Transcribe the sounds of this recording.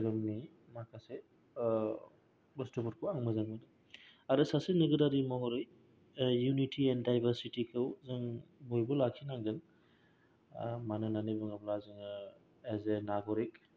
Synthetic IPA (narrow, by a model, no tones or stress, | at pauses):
ɡɯmni | makʰase | bɐstɔbɔɾkʰuaŋmɯzaŋmɯdɯ | aɾɯsasenɯɡɯdaɾimɔɦɔɾɯj | junitʰiɛndajbɐɾsitikʰɯwzɯŋbojbɔlakʰinaŋɡɯŋ | manɯnanɯjbɯŋablazɯŋɯ | ezenaɡɔɾik̚